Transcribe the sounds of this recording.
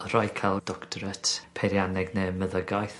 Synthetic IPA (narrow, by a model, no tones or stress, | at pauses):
rɔjkʰalˠd̥ɔktʰɔɾətʰpʰɛɾjanɛɡnɛməðəɡajθ